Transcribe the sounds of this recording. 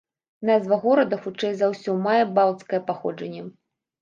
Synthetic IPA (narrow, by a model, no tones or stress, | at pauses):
nazvɐɣɔɾɐd̪ɐxut͡ʂɛjzawsʲɔmajɛbawˠt̪skɐjɛpaxɔd͡ʐɐnʲːɛ